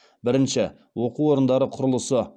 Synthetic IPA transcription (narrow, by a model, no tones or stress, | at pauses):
bɪɾɪnʃɪ | wo̞quwo̞ɾənd̪ɑɾəqʰʊɾəlˠəsə